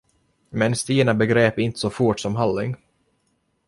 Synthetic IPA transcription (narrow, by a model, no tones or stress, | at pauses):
mɛnst̪iːɳabɛɡɾeːpɪnt̪ə̥sɔfuːʈsɔmɦalːɪŋ